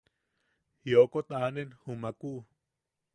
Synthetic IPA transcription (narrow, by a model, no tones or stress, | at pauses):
jokot̪anenhumakuʔ